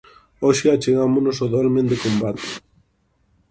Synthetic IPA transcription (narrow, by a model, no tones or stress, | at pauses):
oʃeat͡ʃeɣamonosoðɔlmẽnd̪ekombat̪e̥